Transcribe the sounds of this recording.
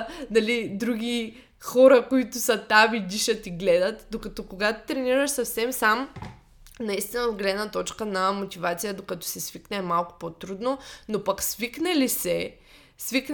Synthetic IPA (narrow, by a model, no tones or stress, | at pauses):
nɐlid̪ɾuɡʲi | xɔɾɐkoit̪ʊsɐt̪avid̪iʃət̪iɡlɛd̪ət̪d̪okɐt̪ɔkoɡat̪ʊ̥t̪ɾɛniɾəʃsɐfsɛmsam | nɐist̪inɐod̪ɡolɛd̪nət̪ɔt͡ʃkənɐmot̪ʲivat̪sijəd̪okɐt̪ɔ̥sɛsviknɛːmalˠkʊ̥pot̪ɾud̪nonopɐksviknɛlisɛ | svik̪